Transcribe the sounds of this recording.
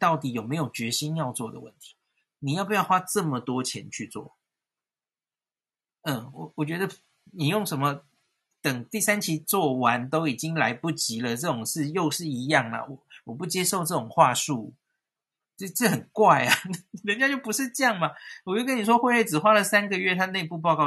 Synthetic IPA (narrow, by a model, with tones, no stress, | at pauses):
t̪ɑ˥˩ʊt̪i˨˦jo˨˩ʊme˧˥ɪjo˨˩ʊt͡ɕɥɛ˧˥ɕi˦njɑ˥˧ʊt͡swɔ˥˩d̪ə˩wə̰˥˩nt̪ʰi̥˨˩˦ | ni˨jʊpu˧˥jɑ˥˩ʊxwa˥ʈ͡ʂə˥˩mə˨t̪wɔ˥t͡ɕʰjɛ̰˧˥nt͡ɕʰy˥˧t͡swɔ̰˥˩ | ə˥˩wɔ˨˩wɔ˨˩t͡ɕɥɛ˧˥d̪ə˧ | ni˨˩jʊ˥˩ŋʂə˧˥nmə˧ | t̪ə˨˩ŋt̪i˥˩sa˥˦nt͡ɕʰi˥t͡swɔ˥˩wa˧˦nt̪o˥ʊi˨˩t͡ɕi˦ŋla˧˥ɪpu˥˩t͡ɕi˨˥lə˨ʈ͡ʂɤ˥˩ʈ͡ʂʊ˨˩ŋʂɻ̩˥˧jo˥˧ʊʂɻ̩˥˩i˧˥jɑ˥˩ŋlɐ̰˩wɔ˨˩wɔ˨˩pu˥˩t͡ɕjɛ˥ʂo˥˧ʊʈ͡ʂɤ˥˩ʊ˨˩ŋxwa˥˧ʂu˥˩˥ | ʈ͡ʂə˥˩xə˨˩nkwa˥˩ɪa˩˨˩ə˦nt͡ɕja˥t͡ɕjo˥˩ʊpu˧˦ʂɻ̩˥˧ʈ͡ʂə˥˧jɑ˥˩ŋma˨wɔ˨t͡ɕjo˥˩k̬ə˥ni˨˩ʂwɔ˥xwe˥˧ɪwe˥˩ʈ͡ʂɻ̩˨˩xwa˦˥lə˨sa˦˥nɡə˨ɥɛ˥˩t̪ʰa˥˧ne˥˧ɪpu˥˧p̬ɑ˥˧ʊkɑ˥˨